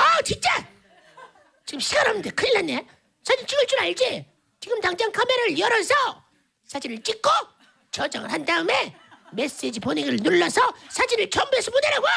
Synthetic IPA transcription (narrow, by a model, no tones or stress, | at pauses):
at͡ɕint͡ɕ͈a | t͡ɕiɡɯmɕʰiɡanɦamnidekʰɯilːanːe | sʰad͡ʑint͡ɕiɡɯɭt͡ɕ͈uɾaɭd͡ʑi | t͡ɕiɡɯmtaŋd͡ʑaŋkʰameɾaɾɯɭjʌɾʌsʰʌ | sʰad͡ʑinɯɭt͡ɕ͈ik̚k͈o | t͡ɕʌd͡ʑaŋɯɭhandaɯme̞ | me̞s͈ed͡ʑiponeɡiɾɯɭnuɭːʌsʰʌsʰad͡ʑinɯɭt͡ɕʌmbuɦe̞sʰʌponiɾaɡo